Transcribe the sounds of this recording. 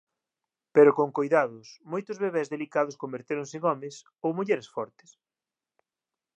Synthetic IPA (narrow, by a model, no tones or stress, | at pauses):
peɾʊkoŋkojðaðʊsmojt̪ʊzβeβezðelikaðʊskombeɾt̪eɾʊŋsɪeŋɔmɪs | owmuʎeɾesfɔɾt̪ɪ̥s